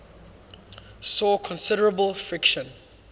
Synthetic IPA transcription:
sɔːkʰɔ̃nsɪɾəɹəbəlˠfɹɪkʃə̃n

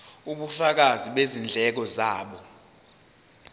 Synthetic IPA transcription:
uɓufak̬aziɓezind͡ɮʱɛk̬ɔzaːɓɔ

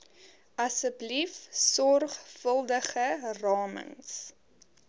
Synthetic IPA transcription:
ɐsəblifsɔrχfəlˠdəχərɑːmə̰ŋs

